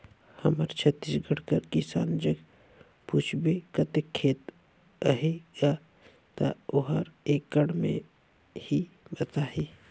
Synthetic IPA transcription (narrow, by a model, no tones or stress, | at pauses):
həməɾt͡ʃʰət̪ːisɡʱəɽkəɾkisa̰ːnd͡ʒəɡ | puːt͡ʃʰbekət̪ekʰːeːt̪ | əɦeɡa | t̪a̰ʊɦəɾeːkːəɽmḛ̃ | hi | bət̪aːɦeː